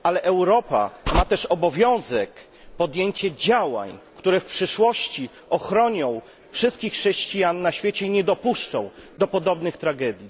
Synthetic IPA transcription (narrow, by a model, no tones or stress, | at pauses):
alɛʔɛwɾɔpa̰mat̪ɛʂɔbɔvʲjɔ̃w̃zɛk | pɔd̪jeɲt͡ɕɛd͡ʑawa̰ɲkt̪uɾɛfpʂɘʂwɔɕt͡ɕi | ɔxɾɔɲɔ̃w̃ | fʂɘst̪kʲixːʂɛɕt͡ɕijanːaɕfʲjet͡ɕɛiɲɛd̪ɔpuʂt͡ʂɔ̃w̃d̪ɔpɔd̪ɔbnɘxt̪ɾaɡɛd̪ʲji